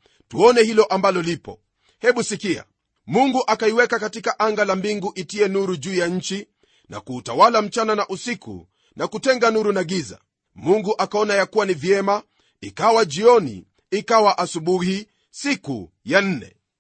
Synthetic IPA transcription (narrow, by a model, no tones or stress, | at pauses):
tuɔnɛhilɔʔambalɔlipɔ | hɛɓusikia̰ | muŋɡuʔakaiwɛkakatikaʔaŋɡalambiŋɡuʔitiɛnuɾuʄuːjaɲ̩t͡ʃi | nʔa̰kuːtawalam̩t͡ʃananaʔusikṵ | nakutɛŋɡanuɾunaɠiza̰ | muŋɡuʔakaɔnajakuwanivjɛma | ikawaʄiɔnḭ | ikawaʔasuɓuhi | sikṵ | jan̩nɛ̰